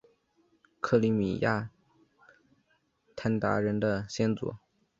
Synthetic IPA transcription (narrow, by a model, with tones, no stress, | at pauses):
kʰɤ˥˩li˧˥mḭ˨˩ja˥˩ | t̪ʰa˥nt̪a̰˧˥ɻə˧˥nd̪ə˧ɕjɛ˥nt͡sṵ˨˩˦